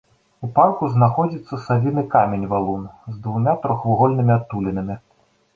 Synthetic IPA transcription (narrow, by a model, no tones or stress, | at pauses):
uparkuznaxɔd͡zʲit̪sːɐsalʲinɨkamʲenʲvalˠunzd̪vumʲat̪ɾɔxvuɣɔlʲnɨmʲiat̪ːulʲinɐmʲi